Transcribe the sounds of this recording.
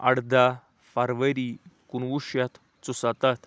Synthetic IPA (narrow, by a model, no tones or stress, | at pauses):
a̰ɽd̪a | faɾʋəɾikunʋuɕjat̪ | t͡susat̪at̪